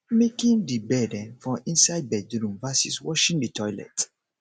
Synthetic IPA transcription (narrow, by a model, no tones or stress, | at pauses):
mekĩndibɛdɛ̃nfɹɔ̃mĩnsaɪd̚bɛdɾũmvasiswɔʃĩŋditʰɔjlɛ̰t